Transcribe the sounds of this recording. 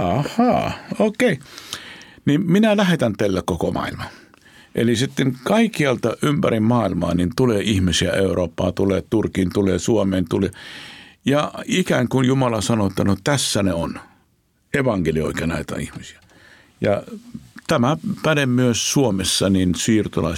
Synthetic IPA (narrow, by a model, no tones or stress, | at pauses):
ɑhˑɑːoːkei | nimminælæhet̪ænt̪elːækkokomɑ̰ilmɑ | ʔḛlisit̪ːeŋkɑikːiɑlt̪ɑʔympæɾimmɑːilmɑ̰ːnint̪uleːʔihmisiæeuroːpːɑ̰ːt̪uleːt̪urkint̪uleːsuomeːnt̪ule | jɑikæŋkunjumɑlɑsɑnoet̪ːɑnot̪æsːæneon | eʋɑŋkelio̰ˑikɑnæ̰it̪æ̰ihmisi̥æ̥ | jɑ̰t̪æmæpædemmyøssuomesːɑninsiːrt̪olɑ̰i